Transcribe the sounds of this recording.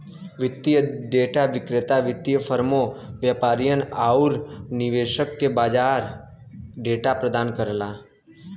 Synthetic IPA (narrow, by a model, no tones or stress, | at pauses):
ʋɪt̪ːijəɖeːʈaʋɪkɾɪt̪aʋɪt̪ːijəfʰəɾmoʋjaːpaːɾijənaːʊɾnɪʋeːʃəkːebaːd͡ʒaːɾ | ɖeːʈapɾəd̪aːnkəɾlaː